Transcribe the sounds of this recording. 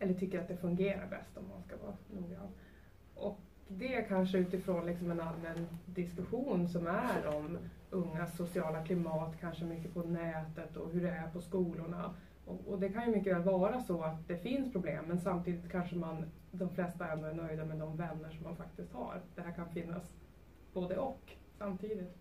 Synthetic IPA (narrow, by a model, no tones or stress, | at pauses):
ɛlːəʈʰʏkːəɾat̪̚d̪ɛfɵŋɡeːɾa̰ɾbɛ̰st̪ɔmːa̰nskavɑ̰ːnuːɡɾa̰n | ʔɔk | d̪ɛæɾkʰanʂəʉːt̪ɪfɾoːnlɪksɔmɛnalmənd̪ɪskɵɧuːnsɔmæɾɔmɵŋːasːʊsɪɑːlakʰlɪmɑːt̪kʰanʂəmʏkːəpʰɔnɛːt̪ət̪ɔ̰ɦɵɖɛæɾpʰɔskuːlʊɳa̰ | ɔ̰ɔd̪ɛkʰanjɵmʏkːəvɛːlvɑːɾasɔat̪̚d̪ɛfɪnspʰɾʊblḛːmːɛnsamt̪ʰiːd̪ɪt̪kʰanʂəman | d̪ɔmflɛst̪aɾɛnd̪ɔæɾɳœjd̪amɛd̪ɔmvɛnːəʂɔmːanfak̚t̪ɪst̪ha̰ɾd̪̥ɛhæɾkʰanfɪnːa̰s | b̥oːd̪əɔk | samt̪ʰiːd̪ɪt̪